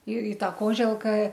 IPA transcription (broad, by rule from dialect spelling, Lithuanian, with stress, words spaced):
ɪr ɪ ˈtɐ ˈkoːʒʲɛlˠkɐ